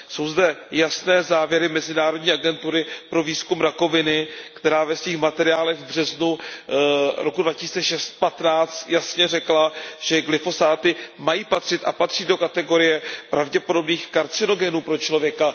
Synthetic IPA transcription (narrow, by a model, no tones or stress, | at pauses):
so̞wzdɛjasnɛːzaːvjɛɾɪmɛzɪnaːɾo̞dɲiːʔaɡɛnt̪uɾɪpɾo̞viːskumɾako̞vɪnɪkt̪ɛɾaːvɛsviːxmat̪ɛɾɪjaːlɛɣvbr̝ɛznu | ɾokudvacɪsiːt͡sɛʃɛst̪̚pat̪naːt͡st̪jasɲɛrɛklaʒ̥ɛɡlɪfo̞zaːt̪ɪmajiːpat̪r̝̥ɪt̪ʔa̰pat̪r̥iːdo̞kat̪ɛɡo̞ɾɪjɛpɾavɟɛpo̞do̞bniːxkaɾt͡sɪno̞ɡɛnuːpɾo̞t͡ʃlo̞vjɛka